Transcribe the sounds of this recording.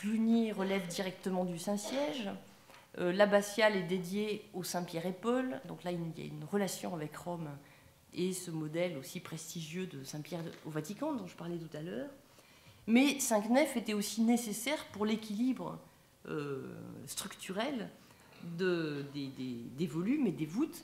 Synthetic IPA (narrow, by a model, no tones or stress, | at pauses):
plynjeʁəlɛvd̪iʁɛk̚t̪əmɑ̃d̪ysɛ̃sjɛʒ | ølabasjalɛd̪ed̪jeosɛ̃pjɛʁepɔld̪ɔ̃klailja̰y̰nʁəlasjɔ̃avɛkʁɔm | esəmɔd̪ɛlosipχest̪iʒjød̪əsɛ̃pjɛʁovat̪ikɑ̃d̪ɔ̃ʒəpaʁlɛt̪ut̪alœːʁ | mɛsɛ̃knɛfet̪ɛosinesesɛʁpuʁlekʲilibʁə̰ | ø̰st̪χykt̪ʰyʁɛl | d̪əd̪ed̪ed̪evɔlymed̪evut̪